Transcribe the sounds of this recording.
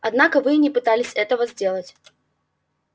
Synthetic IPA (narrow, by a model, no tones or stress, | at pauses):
ad̪nakɐvɨnʲɛpɨt̪alʲɪsʲɛt̪ɐvɐzʲd͡zʲɛlˠət͡sʲ